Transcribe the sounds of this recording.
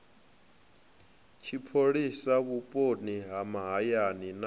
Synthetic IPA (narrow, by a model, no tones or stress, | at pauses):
t͡ʃʰipʰoɺisaβupʼoniɦamaɦajanin